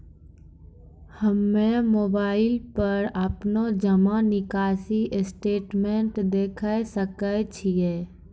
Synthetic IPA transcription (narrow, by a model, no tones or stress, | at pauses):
həmːẽmoːbaːɪlpəɾəpnod͡ʒəmanɪkaːsiʔɪsʈeːʈmẽɳʈd̪eːkʰəsəkət͡ʃʰieː